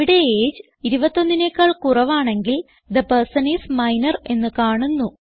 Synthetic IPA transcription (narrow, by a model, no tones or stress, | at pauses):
iɽe̞eːd͡ʑɨ | iɾubɐt̪ːo̞nːinekːɐɭkurɐʋaːɳe̞ŋɡil | d̪ɐpɐrsɐneːsmɐjnɐre̞nːɨkaːɳunːu